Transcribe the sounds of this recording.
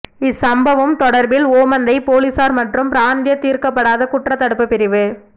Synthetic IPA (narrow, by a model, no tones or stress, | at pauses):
ɪsɐmbɐʋɯmt̪ɔɽɐɾbɪloːmɐnd̪ɐɪpoːlɪsaːɾmɐʈrɯmpɪɾaːnd̪ɪjɐt̪ːiːɾkɐpːɐɽaːðɐkʊʈrɐt̪ːɐɽɯpːɯpːɪɾɪʋɯ